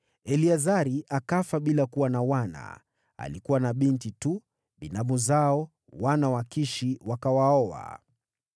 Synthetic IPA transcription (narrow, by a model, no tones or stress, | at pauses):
ɛliazaɾiʔakafaɓilakuwanawana̰ | a̰likuwanaɓintitu | ɓinamuzaɔ | wanawakiʃiwakawaɔa̰